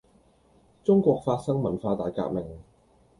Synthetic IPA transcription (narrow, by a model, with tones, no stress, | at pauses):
t͡sʊ˥ŋkʷɔː˧k̚faː˧t̚sɐ˥ŋmɐ˨˩nfaː˧t̪aː˨jka̰ː˧k̚mɪ˨˩ŋ